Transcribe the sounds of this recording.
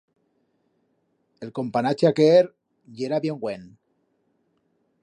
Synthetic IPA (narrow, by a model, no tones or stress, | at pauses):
elko̞mpanat͡ʃeakeeɾ | ʎeɾaβjeŋɡwen